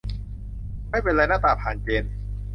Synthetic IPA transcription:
ma˥˩jpe˧nla˧jnaː˥˩t̪aː˧˩pʰaː˨˩nt͡ɕeː˧n

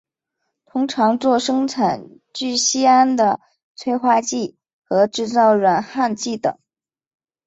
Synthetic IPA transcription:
t̪ʰʊ˥ŋʈ͡ʂʰɑ˧˥ŋt͡swɔ˥˩ʂɤ˥ŋʈ͡ʂʰa˨˩n | t͡ɕy˥˩ɕi˥a˥nd̪ə˨ | t͡sʰwe˥ɪxwa˥t͡ɕi˥˩ | xɤ˧˥ʈ͡ʂɻ̩˥˧t͡sɑ˥˩ʊɻə˨˩nxa˥˧nt͡ɕi˥˩t̪ɤ̰˨˩˦ŋ

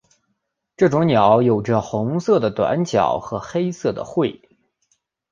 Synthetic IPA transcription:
ʈ͡ʂɤ˥˩ʈ͡ʂʊ˧˥ŋnjɑ˨˩˥ʊjo˨˩ʊʈ͡ʂə˧xʊ˧˥ŋsɤ˥˩d̪ə˩t̪wa̰˧˥˦nt͡ɕjɑ̰˨˩˦ʊxɤ˧˥xe˥ɪsɤ˥˩d̪ə̰˩xwe˥˩ɪ

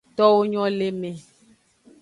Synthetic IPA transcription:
t̪ɔ˦wo˦ɲɔ̃˦le˦mẽ˨

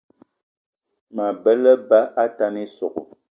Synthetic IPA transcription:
ma˨bɛ˦lə˦ba˦ʔa˦ta˦ni˦sɔ˨k

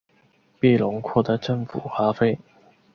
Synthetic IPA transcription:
pi˥˩lʊ˨˧˥ŋkʰɔ˥˧d̪ə˨˧˥t͡sə˥˩ŋfṵ˨˩xaː˧˥fe˥ɪ

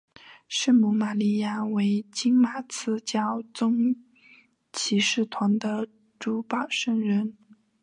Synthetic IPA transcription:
ʂɻ̩˥˩mu˧˩ma˨˩li˥˩ja˥˩we˧˥ɪt͡ɕi˥ŋma˨˩t͡sʰɹ̩˥t͡ɕjɑ˥˩ʊt͡sʊ˥ŋ | t͡ɕʰi˧˥ʂɻ̩˥˩t̪ʰwa˧˥nd̪ə˧ | ʈ͡ʂu˧˥pɑ˨˩ʊʂə˥˩ŋɻə˧˥n

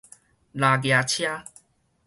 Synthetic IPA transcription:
la˨ɡja˨t͡ɕʰja˦

